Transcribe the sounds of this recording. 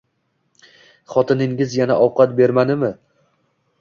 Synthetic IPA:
χɒt̪ʰɪnɪŋɪzjanaʔɒwqʰɑt̪be̞ɾmanɪmɪ

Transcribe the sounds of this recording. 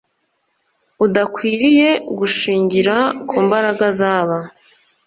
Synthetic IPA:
udakwiːɾije̞ɡuʃiːɲɟiɾakʰuːmbaɾaɡazaːβa

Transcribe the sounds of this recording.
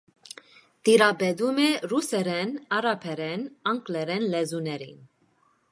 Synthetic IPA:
d̪̥iɾɑbɛd̪umɛrusɛɾɛnɑɾɑpʰɛɾɛnɑŋkʼlɛɾɛnlɛzunɛɾḭn

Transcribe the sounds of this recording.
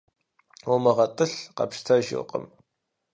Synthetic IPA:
omɐʁɐtʼɨɬqɐ̰pʃtʰɐʒɪ̰qʼə̰m

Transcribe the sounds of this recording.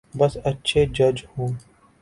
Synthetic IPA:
bɐsɐtːʃʰed͡ʒɐd͡ʒhũː

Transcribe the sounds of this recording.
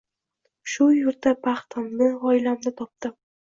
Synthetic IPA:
ʃʊjʊɾt̪apʰɑχt̪ʰamnɪɒɪlamnɪt̪ʰɒp̚d̪̥ɪ

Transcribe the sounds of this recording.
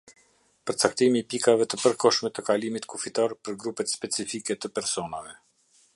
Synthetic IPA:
pəɾt͡sak̚t̪imiːpikavɛt̪əpəɾkɔʃmɛt̪əkalimit̪kufit̪aɾpəɾɡɾupət̪spɛt͡sifikɛt̪əpɛɾsɔnavɛ

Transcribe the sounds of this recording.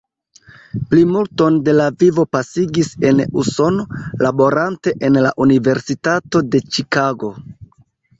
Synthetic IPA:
plimulto̞nde̞lavivo̞pasiɡise̞nuso̞no̞labo̞ɾante̞ʔenla̰ʔunive̞ɾsitato̞de̞t͡ʃikaɡo̞

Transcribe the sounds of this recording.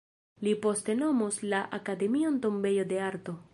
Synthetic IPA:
lipo̞ste̞no̞moslaʔakade̞mionto̞mbe̞jo̞de̞aɾto̞

